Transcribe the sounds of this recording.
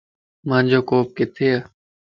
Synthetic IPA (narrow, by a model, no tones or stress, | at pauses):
mãːnʲd͡ʒoːkoːp̚kɪt̪ʰeːaː